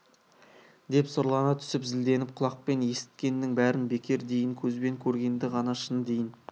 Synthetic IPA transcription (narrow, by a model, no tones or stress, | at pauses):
d̪e̞psʊɾlˠɑnɑt̪ʰʏ̥sɪpzɪld̪e̞nɪp̚qʰʊlˠɑq̚pe̞nje̞sɪ̥t̪̚kʲe̞nːɪŋbæɾɪnbe̞kʲʰe̞ɾd̪e̞jɪŋkʲʰɵzbe̞ŋkʲʰɵɾɡʲe̞nd̪ɪʁɑnɑʃənd̪e̞jɪn